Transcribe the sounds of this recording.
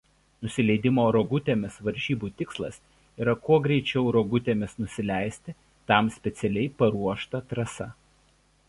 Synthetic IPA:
nʊsʲɪlʲɛɪd̪ʲɪmoːɾoɡʊt̪ʲeːmʲɪsʋɐɾʲʒʲiːbuːt̪ʲɪkslˠɐs | iːɾɐkuɔɡɾʲɛɪt͡ʃʲɛʊɾoːɡʊt̪ʲeːmʲɪsnʊsʲɪlʲæˑɪsʲt̪ʲɪ | t̪ɐˑmsʲpʲɛt̪sʲɛlʲɛɪpɐɾuɔʃt̪ɐt̪ɾɐsɐ

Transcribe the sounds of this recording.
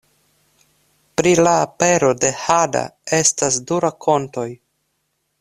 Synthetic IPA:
pɾilaːpe̞ɾo̞de̞hada̰e̞stasduɾakʰo̞nto̞j

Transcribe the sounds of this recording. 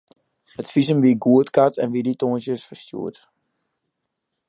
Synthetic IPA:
hətfizəmʋiɡuətkatʰɛ̰nʋiditoːənsjəsfərstjṵət

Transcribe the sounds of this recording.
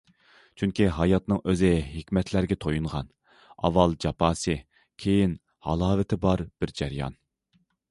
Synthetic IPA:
t͡ʃʰyŋkʲiɦɑjɑt̪nɨŋʔøzɪɦekʲmɛt̪ʰlæɾɡʲɛt̪ʰojuɴʁɑn | ɑ̰vːɑlˠd͡ʒɑpʰɑːsɨ | kʲʰejin | hɑ̰lˠɑːvɪt̪ʰɪbɑɾb̥ɪɾd͡ʒæɾjɑ̰n

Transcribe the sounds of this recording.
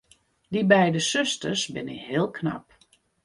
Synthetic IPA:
dibɛjdəsøstərsbɪnɪkhɪːəlˠkʰna̰p

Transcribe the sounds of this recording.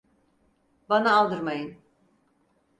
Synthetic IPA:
banaːlˠd̪ɯɾmajɯn

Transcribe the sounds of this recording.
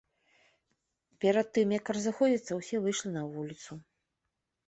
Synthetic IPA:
pʲɛɾɐt̪ːɨmjɐkɾɐzɨxɔd͡zʲit̪sɐwsʲɛvɨjʂlʲinɐvulʲit̪su

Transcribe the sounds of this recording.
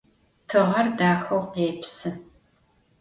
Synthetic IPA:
tʰɨʁɐrdaːxɐwqeːpsɨ

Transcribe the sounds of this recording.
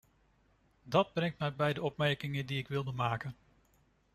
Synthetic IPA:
dɑd̚brɛŋtmɛjbɛjdəɔpmɛɹkɪŋəndiɪkʋɪlˠdəmaːkən

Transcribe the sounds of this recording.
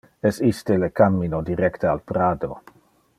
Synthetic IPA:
ɛsist̪elekamːinodiɾɛkt̪aalpɾaːd̪o̰

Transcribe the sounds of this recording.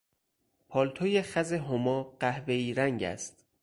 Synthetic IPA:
pʰɒːlt̪ʰoːjexæzeɦomɒːɢ̥æhve̞iːɾæŋɟæ̰st̪

